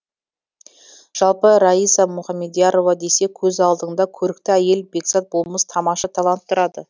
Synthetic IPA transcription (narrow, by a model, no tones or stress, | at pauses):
ʒ̥ɑlˠpəɾɑijsɑmʊχɑmːe̞d̪jɑɾo̞vɑd̪e̞se̞kʲʰɵzɑlˠd̪əɴd̪ɑkʲʰɵɾɪk̚t̪ɪæje̞lbe̞ksɑt̪̚bolˠməst̪ʰɑmɑʃɑt̪ʰɑlˠɑnt̪ʰːʊɾɑd̪ə